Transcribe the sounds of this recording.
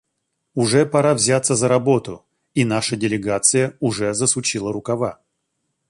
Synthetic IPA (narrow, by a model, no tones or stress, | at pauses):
ʊʐɛpɐɾavzʲat̪səzəɾɐbo̞t̪ʊ | inaʂədʲɪlʲɪɡat̪sɨjəʊʐɛzəsʊt͡ɕilˠəɾʊkɐva